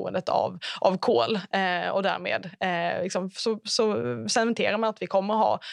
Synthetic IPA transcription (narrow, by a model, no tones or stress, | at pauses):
uːə̰nd̪ət̪ʰa̰vʔavkʰoːlɛɔd̪æ̰ɾmḛːd̪lɪksɔmsɔsɔsɛnvɛnt̪ʰeːɾaɾmanat̪vɪkʰɔmːəɾɦɑ̰ː